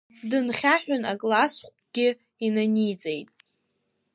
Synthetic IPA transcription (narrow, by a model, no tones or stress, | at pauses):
dɨnχʲaħᶣʊnakʼlasχʷʼɡ̥ʲɪ | inanijd͡zʼe̞jtʼ